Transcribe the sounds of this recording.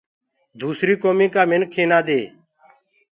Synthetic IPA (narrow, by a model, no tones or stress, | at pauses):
d̪uːsɾiːkoːmĩːkaːmɪnkʰːeːnaːd̪eː